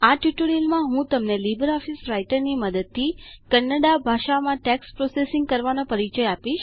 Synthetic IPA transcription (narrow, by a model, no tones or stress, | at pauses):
aʈjuʈoɽiəlmãɦũt̪əmnelibəɾɔfisɾajʈəɾniməd̪əd̪̚t̪ʰːikənːəɖabʱaʃamãʈɛkspɾosesiŋɡ̚kəɾʋanõpəɾit͡ʃəjapiʃ